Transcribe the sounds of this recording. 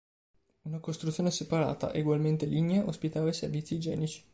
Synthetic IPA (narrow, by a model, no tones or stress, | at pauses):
unakost̪ɾut̪sjoːnesepaɾa̰ːt̪a̰ʔeɡwalment̪eliɲeʔospit̪aːvajservit̪sːid͡ʒɛ̰ːnit͡ʃi̥